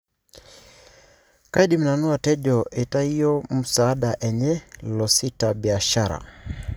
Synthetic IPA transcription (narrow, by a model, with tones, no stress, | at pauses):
kai˦ɗi˦m˨na˨nu˦a˨tɛ˦ʄɔ˨ʔe˨ta˦i˦jɔ˦mu˨saː˦ɗaʔɛ˨ɲɛ˦lɔ˨si˦tabi˨a˨ʃaɾa̰˨